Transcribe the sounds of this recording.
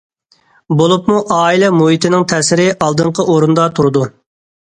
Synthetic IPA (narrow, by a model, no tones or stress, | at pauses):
bolˠupmuʔɑːilɛmuɦit̪ʰɪnɪŋt̪ʰɛsɪɾɪʔɑlˠd̪ɨɴqʰəʔoɾund̪ɑt̪ʰuɾɨd̪u